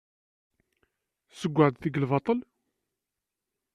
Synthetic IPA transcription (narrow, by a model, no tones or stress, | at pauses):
səɡʷːəʕd̪θəɡlvɑt̪ˤəl